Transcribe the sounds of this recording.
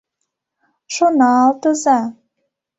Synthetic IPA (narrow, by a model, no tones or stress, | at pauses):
ʃonɑːlt̪ɤ̆zɑ